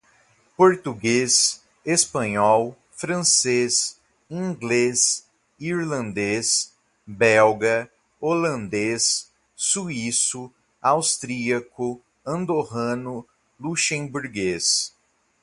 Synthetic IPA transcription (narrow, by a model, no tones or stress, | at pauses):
poɾt̪uɡes | espɐ̃ɲɔw | fɾɐ̃ses | ĩŋɡles | iɾlɐ̃nd̪es | bɛwɡɐ | olɐ̃nd̪es | suisʊ | awst̪ɾiɐkʊ | ɐ̃nd̪oɦɐ̃nʊ | luʃẽbuɾɡes